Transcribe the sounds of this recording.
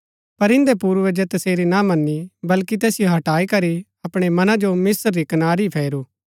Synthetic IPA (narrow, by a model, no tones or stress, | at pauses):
pɐɾɪ̃nd̪epuːɾʋed͡ʒɛt̪ɐseːɾinamɐnːibɐlkit̪ɛːsɪjoɦɐʈaːikɐɾi | ɐpɽ̃emɐnãd͡ʒomɪsɾːikɐnaːɾipʰɛːɾuː